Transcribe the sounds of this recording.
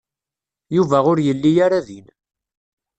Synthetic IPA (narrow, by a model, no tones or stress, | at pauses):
juvæʁʊɾjəlːijaɾaðin